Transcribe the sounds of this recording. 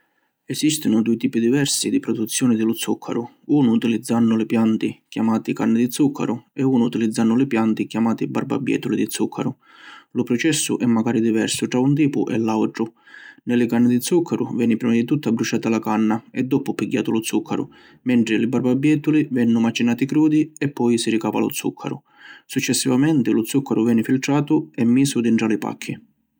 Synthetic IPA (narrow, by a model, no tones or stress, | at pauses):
ɛsist̪ɪnʊd̪uːɪt̪iːpid̪ivɛrsid̪ipɾɔd̪ut̪sːjɔːnɪd̪ɪlʊt̪sukʰːa̰ɾʊ | uːnʊːt̪ilid̪zːanːʊlɪpjant̪ɪkjamaːt̪ikanːɪd̪it̪sukʰːa̰ɾʊɛuːnʊːt̪ilid̪zːanːʊlɪpjant̪ɪkjamaːt̪iba̰rba̰bjɛ̰ːt̪ʊlid̪it̪sukʰːaɾʊ | lʊpɾɔt͡ʃɛsːʊ̰ʔɛmːaɡaːɾid̪ivɛɾsʊʈɾaunt̪̬iːpʊʔɛ̰lːawʈ̪ɾʊ | nɪlɪkanːɪd̪ɪt̪sukʰːaɾʊvjɛːnɪpɾiːmad̪it̪ut̪ːabːɾut͡ʃaːt̪alakanːaɛd̪ːɔpʊpiɡːa̰ːt̪ʊlʊt̪sukʰːaɾʊ̰ | mɛnt̪ɾɪlɪbarbabːjɛːt̪ʊlivɛnːʊmat͡ʃːinaːt̪ikɾuːd̪iɛpːɔjsiɾikaːva̰lʊ̰t̪sṵkʰːa̰ɾʊ̰ | sut͡ʃːɛsːivamɛnt̪ɪlʊt̪sukʰːaɾʊvjɛːnɪfilt̪ɾaːt̪ʊɛmːiːsʊud̪iɳʈɾalɪpa̰kʰːi